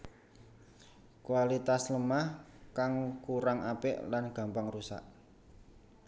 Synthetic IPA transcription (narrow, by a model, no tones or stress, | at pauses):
kwalit̪asləmahkaŋkuɾaŋapɪ̰ʔlanɡ̥ä̤mpaŋrusa̰ʔ